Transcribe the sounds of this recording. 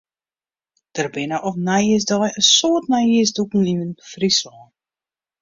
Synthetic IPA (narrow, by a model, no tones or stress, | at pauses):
d̥ərbɪnəʔɔfnajisdɔjəsoːtnajisdukn̩inənbəfrisɔn